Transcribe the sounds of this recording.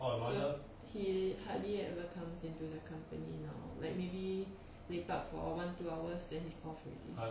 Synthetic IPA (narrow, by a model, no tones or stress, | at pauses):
o | hihadliɛvəkʰãmsĩntudəkʰãmpənina̰ʊla̰ɪk̚mebi | plepap̚fɔ̰wãntuawəsdɛ̃nhistɔfɹɛ̰ʔlḭ